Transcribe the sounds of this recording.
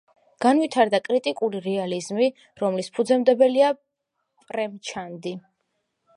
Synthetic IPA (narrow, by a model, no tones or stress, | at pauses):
ɡ̥anwit̪ʰaɾd̪akʼɾit̪ʼikʼuliɾɛalizmi | ɾɔmlispʰud̪zɛmd̪ɛbɛlia | pʼɾɛmt͡ʃʰand̪i